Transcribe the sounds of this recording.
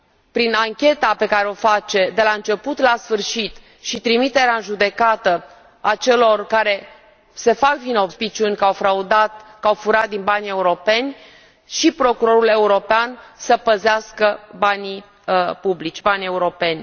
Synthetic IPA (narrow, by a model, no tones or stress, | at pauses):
pɾinaŋkʲe̞t̪ape̞kaɾeo̞fat͡ʃe̞d̪e̞laɨnt͡ʃe̞put̪lasfɨrʃit̪ | ʃit̪ɾimit̪e̞ɾeaɨnʒud̪e̞kat̪ə | at͡ʃe̞lo̞rkaɾe̞ | se̞fakvino̞bspit͡ʃiunʲkawfɾaud̪at̪kawfuɾat̪̚d̪inbanʲe̞uɾo̞pe̞nʲ | ʃipɾo̞kuɾo̞ɾule̞uɾo̞peansəpəzeaskəbanʲi | publit͡ʃʲbanʲe̞uɾo̞pe̞nʲ